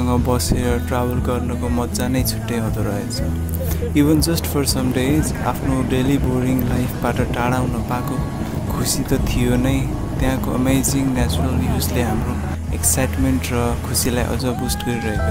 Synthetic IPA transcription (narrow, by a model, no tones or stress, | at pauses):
ʌŋɡʌbʌseɾʌʈrabʌlɡʌrnʌkomʌd̪d͡zanʌjt͡sʰu̥ʈːeɦʌd̪oɾʌɦet͡sʰʌ | ibʌnd͡zʌsʈpʰʌrsʌmɖez | a̰pʰnoɖeliboriŋlajpʰbaʈʌʈaɽawnʌpako | kʰusit̪ʌt̪ʰijonʌj | t̪jãkoʌ̰mejd͡ziŋnat͡surʌljud͡zleɦamro | eksajʈmenʈrʌkʰusilajʔʌ̰d͡zʌbusʈɡʌɾiɾʌɦeko